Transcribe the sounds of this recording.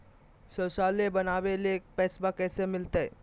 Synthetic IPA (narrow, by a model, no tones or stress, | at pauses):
ʃəʃaːlebɐnaːʋelek̚pɛːsbakɛːsemɪlt̪eɛ̰ː